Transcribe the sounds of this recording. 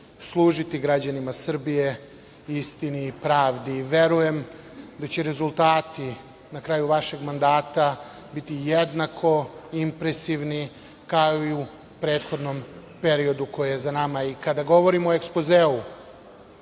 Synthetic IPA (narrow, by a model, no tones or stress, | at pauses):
slˠuːʒit̪iɡɾad͡ʑanimasr̩bije̞ | ist̪iniːpɾaːʋd̪iʋe̞ɾuje̞m | d̪at͡ɕeɾe̞zulˠt̪aːt̪i | nakɾaːjuʋaʃe̞ɡmand̪aːt̪a | bit̪ijed̪nakʰo̞impɾe̞siʋni | kaoiu | pɾeːt̪xo̞d̪nompe̞ɾio̞d̪uko̞jejezanamaikad̪aɡo̞ʋo̞ɾimoekspozeːu